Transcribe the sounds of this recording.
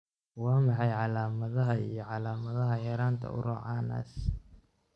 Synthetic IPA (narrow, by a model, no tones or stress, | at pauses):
wɑːmɑħɑjʕɑlaːmɐðɐɦɐijɞʕɑlaːmɐðɐɦɐjɛːɾaːnt̪ʰɐ̰ʊ̰ɾɔ̰ːʕɑːnɐ̰ːs